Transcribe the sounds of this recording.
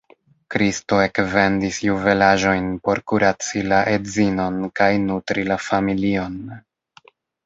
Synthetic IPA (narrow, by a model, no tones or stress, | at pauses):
kɾisto̞e̞kve̞ndisjuve̞laʒo̞jnpo̞ɾkuɾat͡silaʔedzino̞nkajnutɾilafamilio̞n